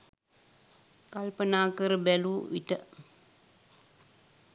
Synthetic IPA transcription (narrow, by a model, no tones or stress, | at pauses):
kalpənaːkəɾəbɛluːʋḭʈə̰